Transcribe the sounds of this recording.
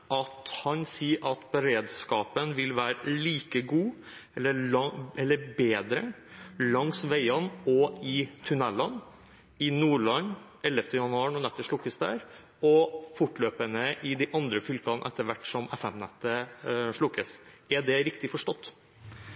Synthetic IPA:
ʔɑt̪hɑnsiːɾʔɑt̪bəɾeːd̪skɑːpənʋɪlʋæːɾliːkəɡuː | ɛlːəɛlːəɾbeːd̪ɾə | lɑŋsʋæɪɑnɔɪt̪ʰʉnɛlːɑn | ɪnuːɭɑn | ɛlɛft̪əjɑnʉɑːɳɔnɛt̪ːəʂɭʊkːəsd̪æ̰ːɾ | ɔfʊʈløːpənəʔɪd̪ɪʔɑnd̪ɾəfʏlkɑnʔɛ̰t̪ːəɾʋæʈːsɔmɛfɛmnɛt̪ːəʂɭʊkːəsæɖɛɾɪkt̪ɪfɔʂʈɔt̪ː

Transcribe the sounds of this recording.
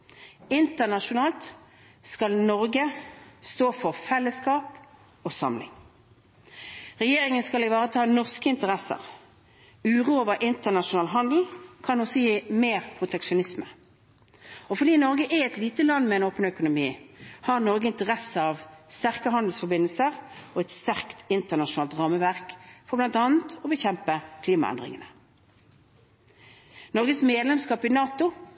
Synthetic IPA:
ɪnt̪ənɑʃʊnɑːlt̪ | skɑlnɔʁɡəst̪oːfɔʁfɛlːəskɑːp | osɑ̰mlɪ̰ŋ | ʁɛjeːʁɪŋənskɑlɪʋɑːʁət̪ʰɑːnɔʁskəɪnt̪əʁɛsə̰ʁ | ʉːʁuoʋəʔɪnt̪ənɑʃʊnɑːlɦɑnd̪l̩kʰɑnɔsɔjiːmeːʁpʰʁʊt̪ɛkʂʊnɪsmə | ɔfɔd̪iːnɔʁɡəʔɛɛt̪liːt̪əlɑnːmɛɛnoːpənœkʊnʊmiːhɑʁnɔʁɡəɪnt̪əʁɛsəɑʋst̪æʁkəɦɑnd̪l̩sfɔbɪnəl̩səʁɔɛt̪st̪æʁkt̪ɪnt̪əʁnɑʃʊnɑːlt̪ʁɑməʋæʁkfɔblɑnt̪ɑːnət̪ɔbəçɛmpəkʰliːmɑ̰ɛ̰nd̪ʁɪ̰ŋənə | nɔʁɡəsmeːd̪lɛmskɑːpɪnɑːt̪ʊ

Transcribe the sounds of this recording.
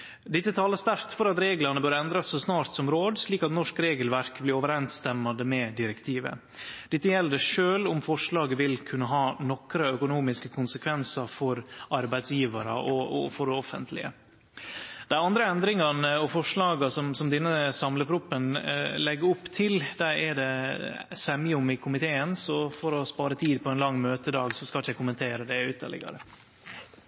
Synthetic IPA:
d̪ɪt̪ːət̪ʰɑːlɑst̪æɾkt̪fɔɾɑt̪ɾeːɡlɑnəbøːɾɛnd̪ɾɑsːɔsnɑːɾt̪sɔmɾoːd̪ʂɭiːkɑt̪nɔʂkɾeːɡəlʋæɾkblɪɔʋəɾɛnst̪ɛmːɑd̪əmɛd̪ɪɾɛkt̪ʰiːʋə̰ | d̪̥ɪt̪ːəjɛlːd̪ɛʂøːlɔmfɔʂɭɑːɡəʋɪlkʰʉnːəɦɑːnɔkɾɑœkʊnuːmɪskəkʰʊnsəkʰʋɛnsɑɾfɔɾɑɾbæɪd̪sjiːʋɑɾə̰ʔɔɔ̰fɔɖɛɔfə̰nt̪ʰlɪ̰ə̰ | d̪̥æɪɑnd̪ɾəɛnd̪ɾɪŋɑnəɔfɔʂɭɑːɡɑsɔmsɔmd̪ɪnːəsɑmləpʰɾʊpənlɛɡəʊpːt̪ʰɪld̪æɾɛɖɛ | sɛmɪʊmɪkʰʊmɪt̪ʰeːənsɔfɔɾɔspɑːɾət̪ʰiːd̪̚pʰɔɛnlɑŋːmøːt̪əd̪ɑːɡsɔskɑlt͡ʃæɪkʰʊmənt̪ʰeːɾəd̪ɛʉːt̪ʰɑ̰lɪ̰ɡɑ̰ɾə̰

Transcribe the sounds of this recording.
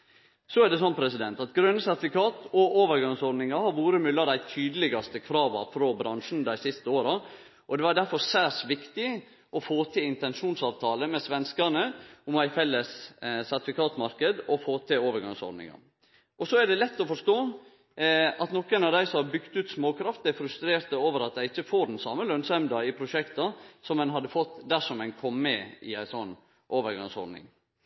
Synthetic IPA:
sɔæɖ̪ɛs̬ɔnːpʰɾɛsɪd̪ɛnt̪ɑt̪ɡɾœnːəsæɾt̪fɪkʰɑːt̪ɔoːʋəɾɡɑŋsɔɾɖ̪nɪŋɑhɑɾʋuːɾəmʉlːɑd̪æɪt̪ʰyːd̪əlɪɡɑst̪əkʰɾɑːʋɑ̰fɾɔbɾɑŋʂn̩d̪æɪsɪst̪əoːɾɑ | ʔɔd̪ɛʋɑɾɖ̪æɾfɔɾsæːʂʋɪkt̪ɪ | ʔɔfoːt̪ʰɪɪnt̪ɛnʂuːnsɑːʋt̪ʰɑːləmɛsʋɛnskɑnəʊmæɪfɛlːəssæɾt̪ɪ̥fɪkʰɑːt̪mɑɾkəd̪ɔfoːt̪ʰɪoːʋəɾɡɑŋsɔ̰ɾɖ̪nɪ̰ŋɑ̰ | ʔɔsɔæɖ̪ɛlɛt̪ːɔfɔʂt̪oː | ɑt̪nɔkːənɑʋd̪æɪsɔmhɑɾbʏɡt̪ʉːt̪smoːkʰɾɑft̪ɛfɾʉst̪ɾeːɾt̪əoːʋəɾɑt̪̚d̪æɪɪçːəfoːɖn̩sɑːməlœnsɛmd̪ɑɪpʰɾʊʂɛkt̪ɑsɔmɛnɦɑd̪ːəfɔt̪ːd̪æʂɔmɛnkʰɔmːɛɪ̰æɪsɔnː | ʔoːʋəɾɡɑ̰ŋsɔ̰ɾɖ̪nɪ̰ŋ

